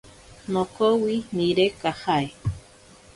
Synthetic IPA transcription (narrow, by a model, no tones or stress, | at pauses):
nokowiniɾekahae